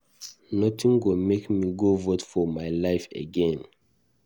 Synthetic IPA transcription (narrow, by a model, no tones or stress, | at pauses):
nɔtĩŋɡomekmiɡovotfɔmaɪlaɪfə̰ɡɛ̃n